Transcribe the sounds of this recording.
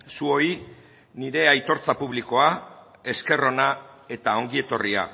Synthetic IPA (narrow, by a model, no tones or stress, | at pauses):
suo̞i | niɾe̞ajt̪o̞ɾt͡sapuβ̞liko̞a | e̞ske̞ro̞nae̞t̪ao̞ŋɡie̞t̪o̞ria̰